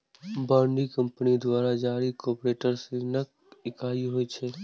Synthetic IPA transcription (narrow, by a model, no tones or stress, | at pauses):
bãːɳɖikə̃mpənid̪waːɾad͡ʒaːɾikɔːpɾeːʈəɾsenək | ɪkʰaːiɦoːit͡ʃʰeː